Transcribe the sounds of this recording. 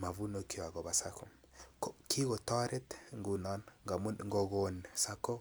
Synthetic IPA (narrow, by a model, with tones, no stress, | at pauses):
ma˨vu˦no˦ki˦wa˨ɣɔ˨βa˨sa˦kɔ˨ | kɔ˨kʰi˦ɣɔ˨tɔ˦ɾɛ˦tŋɡu˨nɔ˦nŋɡa˨m˦ŋɡɔ˨ɣo˨nsa˦kɔ˦